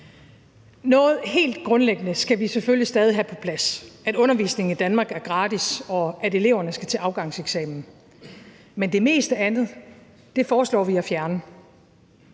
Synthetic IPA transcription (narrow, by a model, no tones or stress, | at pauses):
nɔ̽ːð̞̩ˠhe̝̰ːld̥ɡ̥ʁɔ̽nleɡ̥ənəsɡ̥æʋiseføljisd̥ɛːð̞ˠiɦæpʰɒ̽pʰlæsæɾ̥ɔ̽nɐʋḭːsne̝ŋ̩id̥ænmɑ̈ːɡ̥æɐɡ̥ʁɑ̈ːd̥isɒ̽æɾe̝le̝ʊɐnəsɡ̥æt͡sʰe̝ʔɑ̈ʊɡ̥ɑ̈ŋ̰seɡ̥sɛ̰ːmn̩ | mend̥e̝me̝̰ːsd̥əænð̞̩ˠ | d̥e̝fɒːslɒ̰ːʋiæfjæɐnə